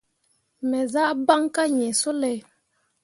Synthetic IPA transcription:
mɛ˨za˦ʔba˦ŋka˦ɲɛ˨so˦lɛ˨

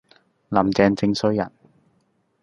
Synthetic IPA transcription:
lɐ˨˩mt͡sɛː˧ŋt͡sɪ˧ŋsɵ˧˥ɥjɐ̰˨˩n

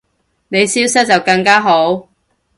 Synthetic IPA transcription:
ne˨˧jsiː˥wsɐ˥t̚t͡sɐ˨wkɐ˧ŋkaː˥ɦo˨˥w

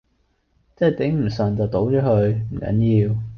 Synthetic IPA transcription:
t͡sɛː˥˩t̪ɪ˨˥ŋm̩˨˩sœː˨˩nt͡sɐ˨wt̪o˨˥wt͡ʃɔː˨˥hɵ˧ɥm̩˨˩kɐ̰˨˥njiː˧w

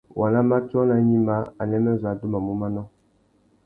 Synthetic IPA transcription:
wa˨la˦ma˦tɔ˦na˦ɲi˦ma˦a˨nɛ˦mɛ˦za˨˦du˦ma˨mu˦ma˦nɔ˦

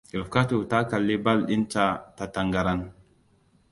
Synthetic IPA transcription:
i˨ɾfka˦tu˨ta˦ka˨lːi˦ba˦lɗi˦nt͡ʃa˦ta˨ta˨ŋɡa˨ɾa˦n

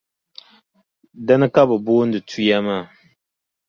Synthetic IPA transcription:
da˦nɨ˦ka˦bɨ˨boː˦n̩˦dɨ˨tʰu˦ja˦maː˦˨

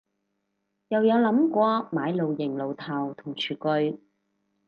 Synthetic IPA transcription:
jɐ˨wjɐ˨˧wlɐ˨˥mkʷɔː˧maː˨˧jlo˨˧wjɪ˨˩ŋlo˨˩wt̪ʰaː˨wt̪ʰʊ˨˩ŋt͡ʃʰyː˨˩kɵ˧ɥ

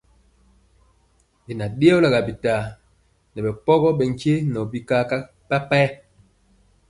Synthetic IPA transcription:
bi˨na˨ɗe˦ɔ˦la˨ɣa˨bi˨ta˨ | nɛ˨bɛ˨pɔ˦ɣɔ˦ɓɛ˨ŋ˨ke˦nɔ˨bi˦ka˦ka˦ | pa˦pɛ˦

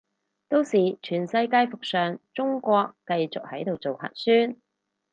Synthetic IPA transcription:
t̪o˥wsiː˨t͡ʃʰyː˨˩nsɐ˧jkaː˧jfʊ˨k̚sœː˨˩ŋt͡sʊ˥ŋkʷɔː˧kːɐ˧jt͡sʊ˨k̚hɐ˨˥jt̪o˨wt͡so˨whɐ̰ː˨t̚syː˥n

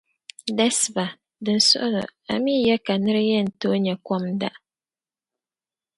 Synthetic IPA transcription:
dɛ˦sba˨ | dɨ˨n˨sɔ̰˦ʔʊ˦lɨ̰˨a̰˨mi˦jɛ˦ka˨nɨ˦ɾɨ˦jɛ˦n̩˨to˦ɲɛ˨kɔ˦mda̰˦ʔ

